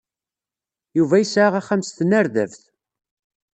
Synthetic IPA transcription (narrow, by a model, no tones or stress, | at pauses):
juvæjəsʕaʁæχæmst̪ənæɾðæ̰vθ